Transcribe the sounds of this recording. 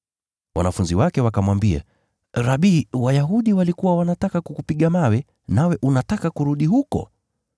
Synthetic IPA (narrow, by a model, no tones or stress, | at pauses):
wa̰nafunziwakɛwakamwambia̰ | ɾaɓiːwajaɦuɗiwalikuwawanatakakukupiɠamawɛ | nawɛʔunatakakuɾuɗiɦukɔ̰